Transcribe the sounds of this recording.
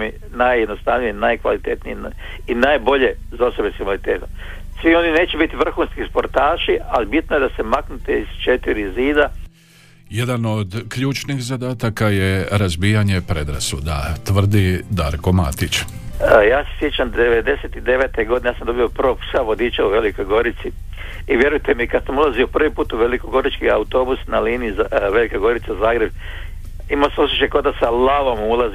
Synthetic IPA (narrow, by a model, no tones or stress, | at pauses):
mi | najed̪nost̪aʋnijinajkʋa̰lit̪eːt̪nijin | inajbo̞ʎe̞zaose̞beskikʋalit̪eːt̪om | sʋio̞nineːt͡ʃebit̪iʋr̩xuːnskispo̞ɾt̪aːʃialibit̪nojed̪asemaknut̪eiz̥t͡ʃet̪iɾiziːd̪a | je̞d̪ano̞d̪kʎuːt͡ʃnixzad̪aːt̪akaje̞ɾazbiːjaɲe̞pɾe̞d̪ɾa̰sud̪a̰t̪ʋr̩d̪id̪aːɾko̞ma̰t̪it͡ɕ | jaːsesjet͡ʃamd̪d̪eʋed̪e̞set̪id̪eʋeːt̪eɡo̞d̪inejasamd̪o̞bijoprʋosaʋo̞d̪iːt͡ʃauʋe̞likojɡo̞ɾit̪si | iʋje̞ɾujt̪e̞mikad̪samulˠaziopr̩ʋipuːt̪uʋe̞likoɡo̞ɾit͡ʃkiaut̪o̞ːbusnaliːniizʋe̞likaɡo̞ɾit̪sazaːɡɾe̞b | imasamosiʃekod̪asalaʋomulˠazi